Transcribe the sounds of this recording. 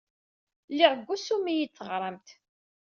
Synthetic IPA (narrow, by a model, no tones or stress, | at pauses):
lːɪʁəɡʷːusumijit͡sːəʁɾˤəmt̪